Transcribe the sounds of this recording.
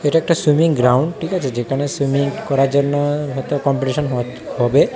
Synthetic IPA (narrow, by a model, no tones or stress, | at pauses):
eʈaɛk̚ʈaswumiŋɡɾawɳɖʈʰikat͡ɕʰed͡ʑekʰanesumiŋkɔɾaɾd͡ʑonːoɦɔjt̪okɔmpiʈiʃɔnɦɔ | ɦɔbe